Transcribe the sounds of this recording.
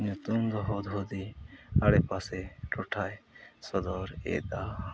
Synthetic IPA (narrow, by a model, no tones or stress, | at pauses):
ɲɔt̪umd̪ɔɦɔd̪ɦɔd̪iaɽɛpasɛʈɔʈʰajsɔd̪ɔɾḛd̪a